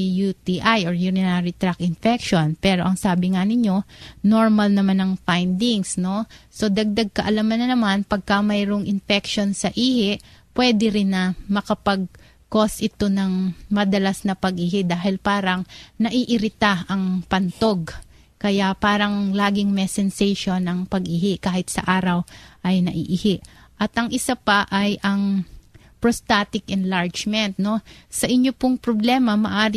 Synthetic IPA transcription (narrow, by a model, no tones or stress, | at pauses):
jut̪iʔajʔoɹjunɪnaɾit̪ɾakɪnfɛkʃo̞npɛːɾo̞ʔɐŋsaːbɪŋɐnɪɲo̞no̞ɹmɐlnɐmanɐŋfajnd̪ɪŋsno̞so̞d̪ɐɡ̚d̪aɡ̚kɐʔɐlamɐnɐnɐmanpɐɡ̚kɐmɐjɾoŋʔɪnfɛkʃo̞nsɐʔiːhɪʔpwɛd̪ɪɾɪnːɐmɐkɐpɐɡ̚ | ko̞sʔɪt̪o̞nɐŋmɐd̪ɐlasnɐpɐɡʔiːhɪd̪aːɦɪlpaːɾɐŋnɐʔiʔɪɾɪt̪aʔɐŋpɐnt̪o̞ɡ̚ | kɐjapaːɾɐŋlaːɡɪŋmɛsɛnsɛjʃonɐŋpɐɡʔɪhɪʔkaːhɪt̪sɐ̰ʔaːɾɐwʔɐjnɐʔiːʔɪhɪʔʔɐt̪ʔɐŋʔɪsapɐʔɐjʔɐŋ | pɾost̪aːt̪ɪkʔɛnlaɹd͡ʒmɛnt̪̚no̞sɐʔɪɲjopʊŋpɾoblɛːmɐmɐʔaːɾɪ